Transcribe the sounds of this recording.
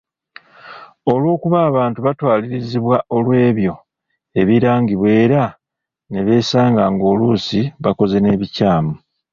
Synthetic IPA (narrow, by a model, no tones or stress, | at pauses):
o̞lwo̞ːkuβaːβaːntuβatwaːliɾiziβwaʔo̞lwe̞ːβjo̞ | e̞βiɾaːŋɡiβwe̞ːɾa | ne̞βe̞ːsaːŋɡaŋɡo̞ːluːsiβako̞ze̞ne̞ːβicaːmu